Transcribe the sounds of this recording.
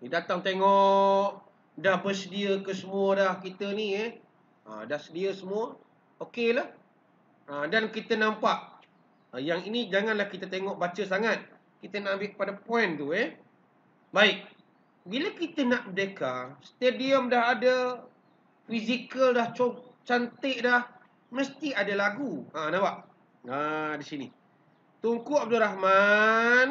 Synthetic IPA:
dat̪aŋt̪eŋɔʔ | dahbərsədiəkəsəmuədahkit̪əniɛ | ə̰dahsədiəsəmuə | okelah | ədankit̪ənampaʔ | əjaŋinid͡ʒaŋanlahkit̪ət̪eŋɔʔbat͡ʃəs̬aŋat̪̚ | kit̪ənaʔambɪʔpadapɔɛnt̪uɛ | baɪk̚ | biləkit̪ənaʔbədekast̪ediəmdaɦadə | fizikəldaht͡ʃot͡ʃant̪ɪʔdah | məst̪iadalaɡuanabaʔ | adisinḭ | t̪uŋkuʔab̚duɾahman

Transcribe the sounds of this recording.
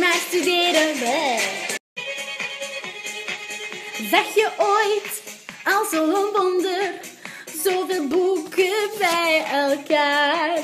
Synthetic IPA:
maːstydeːɾəbɛ | zɛxjəʔoːjtɑlˠzoənʋɔndər | zoːveːlˠbukəbɛjɛlˠkaːr

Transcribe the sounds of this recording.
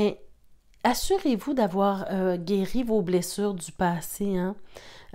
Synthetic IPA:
ɛ | asyʁevud̪avwaːʁøɡʲeʁivoblɛsyːʁd̪ypaːseɛ̃

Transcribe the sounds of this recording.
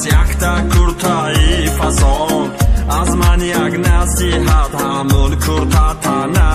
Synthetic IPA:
jakt̪akʰuɾt̪ʰaifasɔʔɔnazmanjaɡnasihad̪hamɔnkʰuɾt̪ʰat̪ʰana

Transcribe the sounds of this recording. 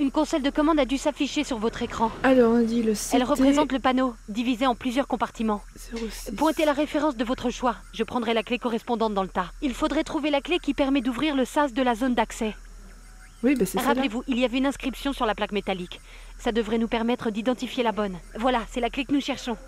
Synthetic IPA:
ynkɔ̃sɔld̪əkɔmɑ̃d̪ad̪ysafiʃesyʁvɔt̪χekχɑ̃alɔ̃d̪iləsɛlʁəχezɑ̃t̪ləpanod̪ivizeɑ̃plyzjœʁkɔ̃paʁt̪imɑ̃ | spwɛ̃t̪elaʁefeʁɑ̃s̬d̪əvɔt̪χəʃwa | ʒəpχɑ̃d̪ʁɛlaklekɔʁɛspɔ̃d̪ɑ̃t̪̚d̪ɑ̃lət̪ailfod̪ʁɛt̪χuvelaklekʲipɛʁmɛd̪uvʁiʁləsas̬d̪əlazond̪aksɛ | wibɛsɛʁaplevuʔiliavɛynɛ̃skχipsjɔ̃syʁlaplakmet̪alik | sad̪əvʁɛnupɛʁmɛt̪χəd̪id̪ɑ̃t̪ifjelabɔnvwalasɛlaklekənuʃɛʁʃɔ̃

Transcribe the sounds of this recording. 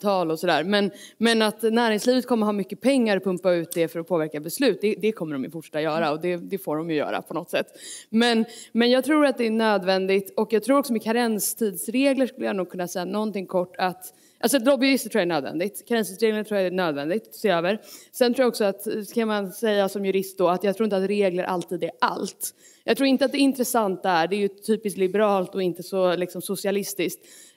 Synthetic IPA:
t̪ʰɑːlɔsɔd̪æːɾmɛnmɛnat̪næːɾɪŋsliːvət̪̚kʰɔmːəɾɦɑːmʏkːəpʰɛŋːaɾɔpʰɵmpaʉ̟ːt̪̚d̪ɛfœɾɔpʰoːvæɾkabɛslʉ̟ːt̪̚d̪ɛd̪ɛkʰɔmːəɾɖɔmjəfʊʈʂɛ̥t̪ːajœːɾaɔd̪ɛd̪ɛfoːdɔmjɵjœ̰ːɾa̰pʰɔnɔt̪ːsɛt̪ːmɛnmɛnjɑːɡ̚t̪ʰɾuːɾat̪̚d̪ɛɳøːd̪vɛnd̪ɪt̪ɔkjɑːɡt̪ʰɾuːɾɔksɔmɛkʰaɾɛnst̪ʰiːd̪sɾeːɡləʂkɵlːəjanuːɡ̚kʰɵnːasɛjːanɔnt̪ɪŋkʰɔʈːat̪ | ʔa̰ls̬ɔd̪ɾɔbjɵɾɪst̪ət̪ʰʈʰɾuːjaɛnøːd̪vɛ̰nd̪ɪt̪kʰaɾɛnsʰiːd̪sɾeːɡlənʈʰɾuːjaɛnøːd̪vɛnd̪ɪt̪seːøːvəɾsɛ̃nɾuːjaɔksɔat̪kʰanmansɛjːasɔmjɵɾɪst̪̚d̪ɔat̪jɑɡt̪ʰɾuɾɪnt̪at̪ɾeːɡləɾʔa̰lt̪ʰiːd̪æʔa̰lt̪ | jɑːɡt̪ʰɾuːɾɪnt̪əat̪̚d̪ɛɪnt̪ɾɛsant̪̚d̪ɛæɖɛɛjɵt̪ʰyːpɪsk̪lɪbɛɾɑːlt̪ɔɪnt̪əsɔlɪksɔmsʊsɪalɪst̪ɪskt̪

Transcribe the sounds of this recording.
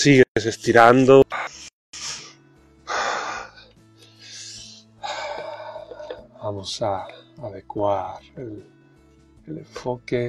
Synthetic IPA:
siɣees̬est̪iɾand̪o | bamosaaðekwaɾel | eleɱfoke

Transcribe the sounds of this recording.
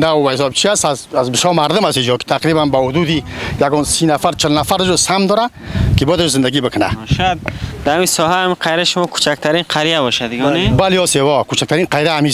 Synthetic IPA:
nawbahis̬ɔbt͡ʃʰiasazazbəʃɔmaɾd̪ʊmast̪id͡ʒɔki̥t̪ʰaqɾibanbahud̪ud̪ijaɡɔnsinafaɾt͡ʃʰəlnafaɾəd͡ʒɔsamd̪ɔɾa | kibɔjad̪aʃzənd̪aɡibəkʰəna̰ʃjad̪d̪aamisɔɦaamiqʰajɾaʃʊmɔkʰu̥t͡ʃʰak̚t̪ʰaɾinqʰaɾijabɔʃad̪ɡnebaliɔsewɔkut͡ʃʰak̚t̪ʰaɾinqʰajɾaami

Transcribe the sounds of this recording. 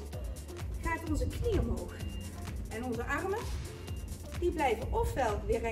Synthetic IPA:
χaːtɔnzəkniəmɦowχ | ɛnɔnzəʔɑɹmə | d̥iblɛjvəʔɔfʋɛlˠʋɪːrɛ

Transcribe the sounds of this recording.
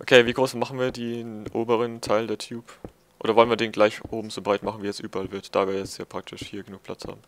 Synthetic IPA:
ʔokʰeːviːɡʁoːsmaχn̩viːɐdeːnʔoːbəʁəntʰaɪldeːɐtʰjuːp | ʔo̰ːdɾɐvɔlənviɐdeːnɡlaɪçʔoːbm̩zoːbʁaɪtmaχn̩viːjɛt͡sʔyːbɐʔalvɪɐtd̥a̰ːviːɐjɛt͡sjaːpʁ̥ak̚tʰɪʃhiːɐɡənuːkpʰl̥a̰t͡sha̰ːbm̩

